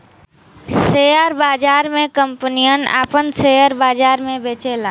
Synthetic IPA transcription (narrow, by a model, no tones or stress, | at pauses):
sejəɾbaːd͡ʒaːɾmẽkəmpnijəna̰ːpənseːjəɾbaːd͡ʒaːɾmẽbeːt͡ʃelaː